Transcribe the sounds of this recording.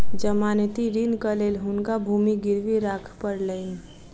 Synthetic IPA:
d͡ʒəmaːnt̪iɾind̪kəlelɦʊnkabʱuːmiɡɪɾʋiɾakʰpəɾləɪn

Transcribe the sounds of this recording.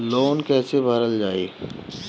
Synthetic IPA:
loːnkɛːsebʱəɾəld͡ʒaːḛː

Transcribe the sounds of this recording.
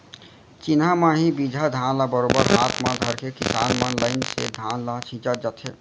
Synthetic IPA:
t͡ʃinamãɦibid͡ʒʱad̪ʱãːnlabəɾoːbəɾɦaːt̪ʰmãd̪ʱəɾkekɪsaːnmənlaɪnsḛd̪ʱaːnlat͡ʃʰĩt͡ʃəd͡ʒət̪ʰḛ

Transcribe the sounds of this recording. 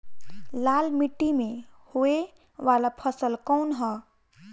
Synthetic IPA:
laːlmiʈːimẽhoe | ʋaːlapʰəsəlkɔnɦɔ

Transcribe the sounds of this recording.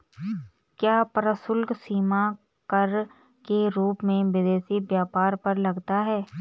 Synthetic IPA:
kjaːpəɾəsʊlɡsiːma | kɐɾ | keɾuːpmẽʋɪd̪eːsibjaːpaːɾpɐɾlɐɡt̪aɦɛː

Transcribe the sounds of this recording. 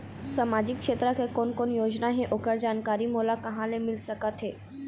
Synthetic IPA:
saːmaːd͡ʒɪkːʃeːt̪ɾəkekoːnkoːnjoːd͡ʒnaɦɛ̃ʔokəɾd͡ʒaːnkaːɾimoːlakɐɦãlemɪlsɐkət̪ɦeː

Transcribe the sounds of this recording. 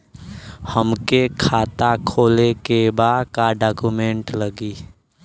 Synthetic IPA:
həmkekʰat̪akʰolekebakaɖakumeɳʈləɡi

